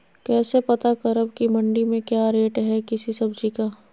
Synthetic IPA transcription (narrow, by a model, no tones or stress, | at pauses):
kɛːsepɐt̪akɐɾəb̚kimɐ̃ɳɖimẽkjaːɾeːʈɦɛkɪsisɐbd͡ʒikaː